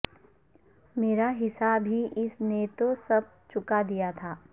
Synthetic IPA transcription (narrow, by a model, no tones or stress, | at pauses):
meːɾaɦɪsabiʔɪsnet̪osɐb̚ | t͡ʃʊkad̪ijat̪ʰaː